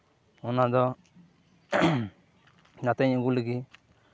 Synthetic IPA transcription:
ɔnad̪ɔ | nat̪ɛɲɔ̃ɡuləɡi

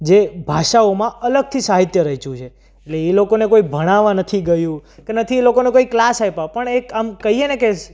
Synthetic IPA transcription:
d͡ʒebʱaʃaomãələɡ̚t̪ʰisaɦit̪jəɾəɦit͡ʃʰũt͡ʃʰe | eʈleelokonekoibʱəɽ̃aʋãnət̪ʰiɡəjũkenət̪ʰielokonekoiklasɦajpapəɳekamkəɦieneke

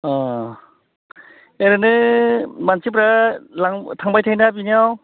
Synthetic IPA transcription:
ɔ | eɾɯnɯ | mansip̬ɾalaŋtʰaŋbajtʰajnabiniaw

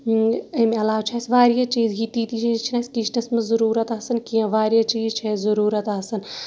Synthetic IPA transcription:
ɐmʲɐlaːʋt͡ʃʰasʋaːɾijat͡ʃiːzɡiːt̪iːt̪it͡ʃʰit͡ʃʰinɐsʲkiːt͡ʃʰnɐsmɐzɐɾuːɾɐt̪ɐsɨnkijɐ̃ʋaːɾijat͡ʃiːzt͡ʃʰezɐɾuːɾɐt̪ɐsɨn

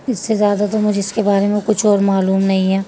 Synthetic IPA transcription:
ɪsːezjaːd̪at̪omʊd͡ʒʱeɪskebaːɾemẽkʊt͡ʃʰɔːɾmaːluːmnɐɦĩɦɛː

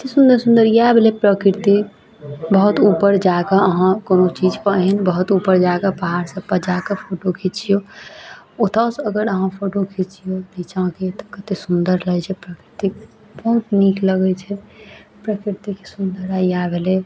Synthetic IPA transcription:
t̪esũnd̪əɾsũnd̪əɾjabʱelepɾəkɾt̪i | bəɦut̪upəɾd͡ʒakaəɦãkonot͡ʃid͡ʒpəɦɛnbəɦut̪upːəɾd͡ʒaɡabaɦaɾsə̃pəd͡ʒakəpʰoʈokʰit͡ʃʰijo | ot̪asəɡəɾəɦãpʰoʈokʰit͡ʃʰijolit͡ʃãket̪ɔ̥kət̪esund̪əɾləɛt͡ʃʰɛpɾəkɾit̪i | bəɦut̪nikləɡɛt͡ʃʰɛpɾəkiɾt̪ikesund̪əɾajabʱele

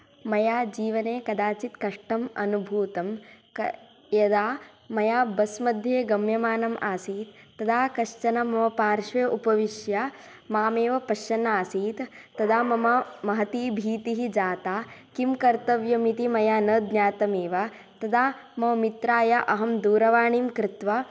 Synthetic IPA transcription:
mɐjaːd͡ʒiːʋɐneːkɐd̪aːt͡ʃit̪kɐʂʈɐmɐ̰nubʱuːt̪ɐm | jɐd̪aː | mɐjaːbɐsmɐd̪ʱjeːɡɐmjɐmaːnɐmʔaːsiːt̪ːɐd̪aːkɐʂt͡ʃɐnɐmɐmɐpaːɾʃʋeːʔupɐʋiʃjɐ | maːmeːʋɐpɐʃɐnaːsiːt̪ | t̪ɐd̪aːmɐmɐmɐɦɐt̪iːbʱiːt̪iɦid͡ʒaːt̪aːkimkɐɾt̪ɐʋjɐmit̪imɐjaːnɐːd̪njaːt̪ɐmeːʋɐ | t̪ɐd̪aːmɐʋɐmit̪ɾaːjɐʔɐɦɐmd̪uːɾɐʋaːɳiːmkɾɪt̪ʋɐ

